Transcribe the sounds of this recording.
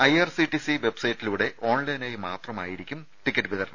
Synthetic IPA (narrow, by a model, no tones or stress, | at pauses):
ɐjɐrsiʈisiʋe̞bsɐjtːiluːɽe̞ʔo̞ːɳlɐjnaːjmaːt̪rɐma̰ːjiɾikʲːum | ʈikʲːɐʈːɨʋiðɐɾɐɳɐ